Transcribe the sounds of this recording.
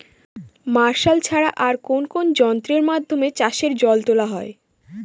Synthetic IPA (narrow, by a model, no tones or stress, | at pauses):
maɾʃalt͡ɕʰaɾaʔaɾkonkond͡ʑɔnt̪ɾeɾmad̪ʱːomet͡ɕaʃeɾd͡ʑɔlt̪olaɦɔe